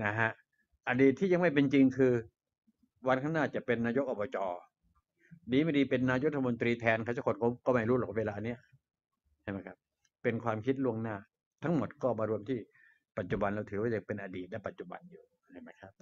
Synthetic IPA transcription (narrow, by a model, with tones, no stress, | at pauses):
na˦˩ɦa˦˥ʔ | ʔaː˧diː˨˩t̪ʰːiː˥˩ja˧ŋma˥˩jp̬e˧nt͡ɕi˧ŋkʰɯː˧ | wa˧nkʰa˥˩naː˥˩t͡ɕa˨˩ʔpe˧nːaː˧jo˦˥k̚ʔɔː˧˩bɔː˧t͡ɕɔː˧ | diː˧˦ma˥˩jdiː˧pe˧nːaː˧jo˦˥t̪ʰa˧o˧nt̪ɾiː˧t̪ʰɛː˧nkʰa˥˩t͡ɕa˧˥˩kʰo˨˩nkʰɔ˧˩kɔː˥˩ma˥˩jɾuː˦˥lɔː˨˩k̚eː˧laː˧ʔni˥ɐʔ | t͡ɕʰa˥˩jma˦˥jkʰa˦˥p̚ | pe˧nkʰwaː˧mkʰi˦˥t̪̚lu˥˩əŋnaː˥˩ | t̪ʰa˦˥ŋmo˨˩t̪̚kɔː˥˩maː˧ɾu˧əmt̪ʰiː˥˩ | pa˨˩t̪̚t͡ɕu˨˩ba˧nɾa˧wt̪ʰɯː˩˦waː˥˩t͡ɕa˨˩pe˧nʔa˧diː˨˩t̪̚la˦˥˩pa˨˩t̪̚t͡ɕu˨˩ba̰˧njuː˨˩ | a˧˩ma˦˥˩kʰa˦˥p̚